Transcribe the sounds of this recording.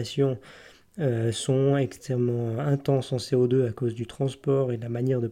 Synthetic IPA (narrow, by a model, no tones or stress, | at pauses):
sjɔ̃ | øsɔ̃ɛkst̪χɛmmːɑ̃ɛ̃t̪ɑ̃sɑ̃seod̪øakozd̪yt̪χɑ̃spɔːʁed̪əlamanjɛʁd̪ə